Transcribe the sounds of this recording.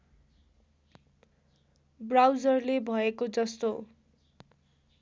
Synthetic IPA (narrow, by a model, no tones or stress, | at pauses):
brawd͡zʌrlebʱʌekod͡zʌst̪o